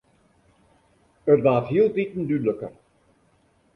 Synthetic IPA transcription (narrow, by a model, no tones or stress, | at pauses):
ətʋaːtɦiəlˠtitən̩dyləkə̰r